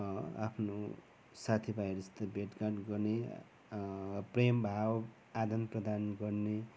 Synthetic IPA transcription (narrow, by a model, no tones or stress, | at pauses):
a̰pʰno | sat̪ʰibʱajɾʌst̪ʌbeʈkaʈɡʌrne | prembʱaw | ad̪ʌnprʌd̪anɡʌrne